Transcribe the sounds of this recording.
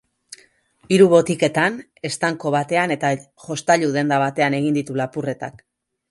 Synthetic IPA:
iɾuβo̞t̪ike̞t̪an | e̞st̪aŋko̞β̞at̪e̞ane̞t̪a | ʝo̞st̪aʎuðe̞nd̪aβat̪e̞ane̞ɣ̞ind̪it̪ulapure̞t̪a̰k

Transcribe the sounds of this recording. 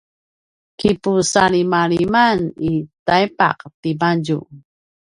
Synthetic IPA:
kipusaɭimaɭimanitajpa̰qtibaɟṵ

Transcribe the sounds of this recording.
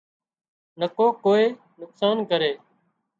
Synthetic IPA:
nəkoːkoːeː | nʊksaːnkəɾeː

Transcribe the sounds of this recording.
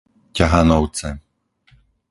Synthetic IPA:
caɦanɔʊt͡sɛ

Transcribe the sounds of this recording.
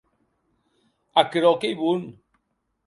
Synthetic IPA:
akɾɔkejβun

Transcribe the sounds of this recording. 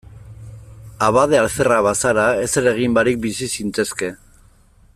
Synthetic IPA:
aβað̞ealθeraβasaɾae̞seɾe̞ɣ̞imbaɾik̚bisisint͡se̞ske̞

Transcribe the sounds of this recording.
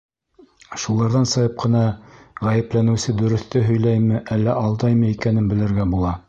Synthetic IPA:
ʃulˠɑɾðɑnsɤ̆jɤp̚qʰɤ̆nɑʁæjɘ̆plænɘ̆wsɘd̪ɵ̆ɾɵ̆θt̪ɘɦɵ̆jlæjmɘ̆ʔælːæʔɑlˠd̪ɑjmɤikænɘnbɘ̆lɘ̆ɾɡæbulˠɑ

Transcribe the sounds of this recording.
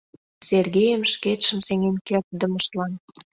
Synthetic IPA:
serɣejəmʃket̪ʃə̆mseŋenkert̪̚d̪əməʃt̪lɑn

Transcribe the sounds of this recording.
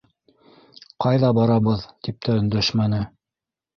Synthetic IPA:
qɑjðɑbɑɾɑβɤðt̪ip̚t̪æɵ̆nd̪æʃmænɘ

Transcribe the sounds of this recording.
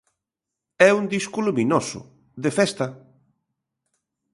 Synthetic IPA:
ɛund̪iskuluminosʊ̰ | ðefɛst̪ɐ

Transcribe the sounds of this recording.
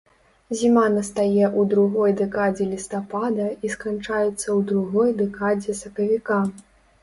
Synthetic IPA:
zʲimanɐst̪ajɛʔud̪ɾuɣɔjd̪ɛkad͡zʲɛlʲist̪apad̪ɐiskant͡ʂajɛt̪sːɐwd̪ɾuɣɔjd̪ɛkad͡zʲɛsɐkɐvʲika

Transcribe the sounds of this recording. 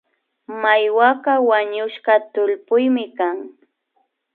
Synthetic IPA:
majwaɢɑwaɲʊʃɢɑt̪ʊʎpʊjmɪkaŋ

